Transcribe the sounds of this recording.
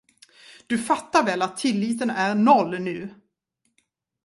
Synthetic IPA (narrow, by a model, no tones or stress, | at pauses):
d̪̥ɵfat̪ːaɾvɛlat̪ʰːɪlːiːt̪ənæɾnɔlːnʉ̟ː